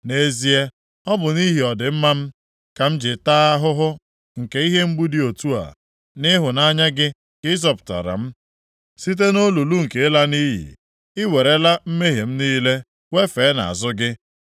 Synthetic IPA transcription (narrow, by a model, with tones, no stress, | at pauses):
ne˦zi˦e˦ | ɔ˦bʊ˨ni˦ɦi˨ɔ˨dɪ˨m̩˦ma˦m̩˦ | ka˨m̩˦d͡ʒɪ˨taː˦a˦ɦʊ˦ɦʊ˦ | ŋ̩˨ke˦i˦ɦe˦m̩˦ɡ͡bu˦di˦o˨tu˦a̰˨ | nɪ˦ɦʊ˨na˦ɲa˦ɡɪ˦ | kɪ˦zɔ˦˨pta̰˨ɾa̰˨m̩˦ | si˦t̬e˦no˦lu˨lu˦ŋ̩˨ke˨˦la˦ni˦ɦḭ˨ | ɪ˦we˨ɾe˦la˦m̩˦me˦ɦe˨m̩˦niː˦le˦ | we˦fe˨˦na̰˨a̰˨zʊ˦ɡɪ˦